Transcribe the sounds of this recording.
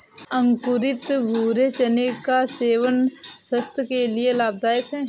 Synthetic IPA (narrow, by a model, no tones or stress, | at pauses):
ə̃ŋkʊɾɪt̪bʱuːɾet͡ʃənekaseːʋənsəst̪ʰjəkelielaːb̚d̪aːjək̪ɦɛː